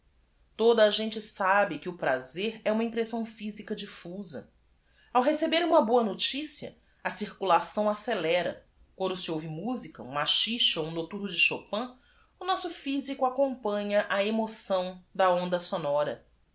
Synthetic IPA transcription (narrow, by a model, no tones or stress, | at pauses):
t̪od̪ɐːʒẽnt͡ʃɪsabɪkɪʊpɾazeɾɛũmɐĩpɾesɐ̃w̃fizikɐd͡ʒifuzɐ̰ | awɦesebeɾũmɐboɐnot͡ʃisiɐ̰ | ɐsiɾkulasɐ̃w̃aselɛɾɐ̰ | kwɐ̃nd̪ʊsiowvɪmuzikɐũmaʃiʃɐoũnot̪uɾnʊd͡ʒɪʃopɐ̃ | ʊnɔsʊfizikʊakõmpɐ̃ɲɐʔɐemosɐ̃w̃d̪ɐõnd̪ɐsonɔɾɐ̰